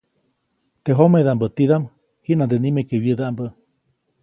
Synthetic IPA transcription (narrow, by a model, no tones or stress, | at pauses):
t̪eɦomeðambət̪iðam | hiʔnand̪enimekeβjəðaʔambə